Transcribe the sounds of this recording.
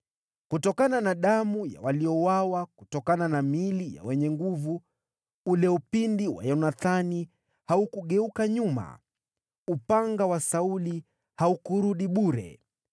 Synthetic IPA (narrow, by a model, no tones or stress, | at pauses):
kutɔkananaɗamuja̰walijɔwawakutɔkananamilija̰wɛɲɛŋɡuvu | ulɛupindiwa̰jɔnaθani | haukuɠɛukaɲuma̰ | upaŋɡawasauli | haukuɾuɗiɓuɾɛ̰